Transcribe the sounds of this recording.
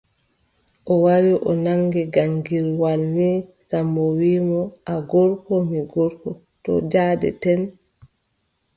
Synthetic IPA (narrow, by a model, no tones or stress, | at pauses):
ʔɔwaɾiʔɔnaŋɡɛɡaŋɡiɾwalni | sambɔwiːmɔʔaɡɔɾkɔmiɡɔɾkɔ | tɔ̰d͡ʒaːdɛ̰tɛn